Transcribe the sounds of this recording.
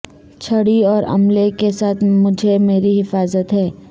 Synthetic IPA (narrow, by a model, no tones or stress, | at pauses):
t͡ʃʰɐɽiɔːɾɐ̰mlekesaːt̪ʰmʊd͡ʒʱemeːɾiɦɪfaːzət̪ɦɛː